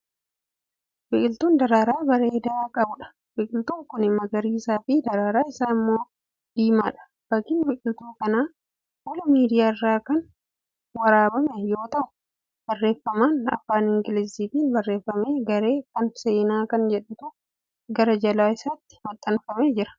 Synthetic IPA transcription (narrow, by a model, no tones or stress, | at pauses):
bɪkʼɪlt̪uːnd̪ɐɾaːɾaːbɐɾeːd̪akʼɐbʊᶑɐ̥ | wɪkʼɪlt̪uːŋkʊnɪmɐɡɐɾiːɪsaːfɪd̪ɐɾaːɾaːɪsaːɪmːoː | d̪̥iːmaːᶑɐ̥ | b̥ɐkːɪnbɪkʼɪlt̪uːkɐnaː | wɔlɐmiːd̪ɪjaːɪrːaːkɐn | wɐɾaːbɐmɛjo̞ːt̪ɐʔʊ̥ | b̥ɐrːe̞ːfːɐmaːnɐ̰faːnɪŋɡɪlɪziːt̪iːnbɐrːe̞ːfːɐme̞ːɡɐɾe̞ːkɐnse̞ːnaːkɐnd͡ʒɛᶑʊt̪ʊ | ɡɐɾɐd͡ʒɐlaːɪsaːt̪ːɪ̥mɐt̪ʼːɐnfɐmeːd͡ʒɪɾɐ̥